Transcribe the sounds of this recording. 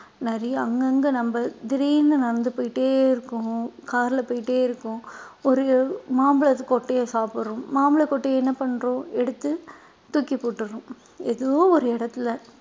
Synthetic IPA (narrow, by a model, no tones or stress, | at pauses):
nɐɾɪjɐɐŋɡɐŋɡɐnɐmbɐd̪ɪɾind̪ɐnɐɾɐnd̪ɯpoːjɪʈːeːɪɾɯkːʊ̃kaːɾlɐpoːjɪʈːeːɪɾɯkːʊ̃ɔɾɯmaːmbɯɭɐkɔʈːejɐsaːpɯɾʊ̃ːmaːmbɐɭɐkːɔʈːejɛnːɐpɐɳːɾõːɛɽɯt̪ːɯ | t̪ukːipoːʈːɯɾʊ̃ | ɛðoʋõɔɾɯɛɽɐt̪ːɪlɐ